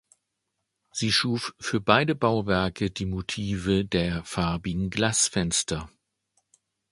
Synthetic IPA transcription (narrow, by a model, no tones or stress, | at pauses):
z̥iːʃuːffyːɐbaɪdəbaʊvɛɐkədiːmotʰiːvədeːɐfaɐbɪɡŋ̩ɡlasfɛnstʰɐ